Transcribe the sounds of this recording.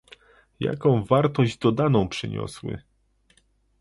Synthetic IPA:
ja̰kɔ̃w̃vaɾt̪ɔʑd͡ʑd̪ɔd̪anɔ̃w̃pʂɘ̰ɲɔ̰swɘ̰

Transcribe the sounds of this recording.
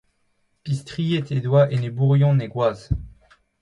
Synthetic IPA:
pist̪χijet̪ed̪waʔenebuʁjɔ̃neɡwaːz

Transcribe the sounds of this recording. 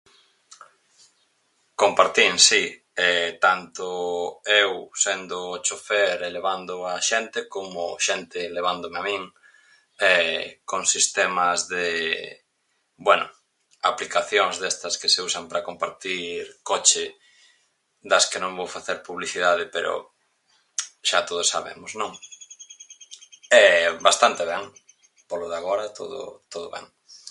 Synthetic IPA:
kompaɾt̪insi | ɛt̪ant̪oewsend̪oːt͡ʃofeɾeleβand̪ʊaʃent̪ekomʊʃent̪eleβ̞and̪omeamĩŋ | ɛkoŋsist̪emɐzðe | bwɛnʊ̰ | aplikaθjoŋzðɛst̪ɐskeseusɐmpɾɐkompaɾt̪iɾkɔt͡ʃɪ | ðɐskenõŋbowfaθeɾpuβliθiðaðɪpeɾo̰ | ʃat̪oð̞osːa̰βḛmʊznõŋ | ɛbast̪ant̪eβɛŋ | poloðaɣoɾɐt̪o̰ðʊ̰t̪oðoβɛ̰ŋ

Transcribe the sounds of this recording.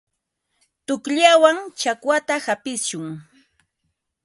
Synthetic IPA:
t̪ʊkʎawaŋt͡ʃakwat̪ahapɪsʃʊŋ

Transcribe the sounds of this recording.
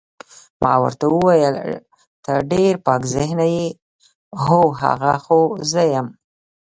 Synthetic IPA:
mʔɑ̰wə̰ɾt̪awəwɑjəl | t̪əɾɖeɾpɑkzɪɦnaje | ɦoɦa̰ɣaxozəjəm

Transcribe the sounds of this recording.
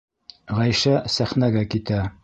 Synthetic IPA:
ʁæjʃæsæχnæɡækit̪æ

